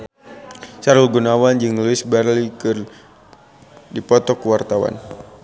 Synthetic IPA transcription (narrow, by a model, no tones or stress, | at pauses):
saɾulɡunawand͡ʒɨŋluɪsbarlikɨr | dipɔt̪ɔkuwart̪awa̰n